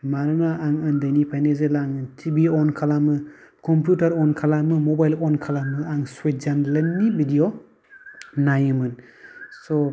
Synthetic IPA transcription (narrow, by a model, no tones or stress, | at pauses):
maɾɯnaːŋɯndajnipʰajnezelaŋɯntʰibiɔnkʰalamɯkʰɔmpjutaɾɔnkʰalamɯmɔbajlɔnkʰalamɯaŋswet̚zanlenːibidiɔ | najɯmɯn | sɔ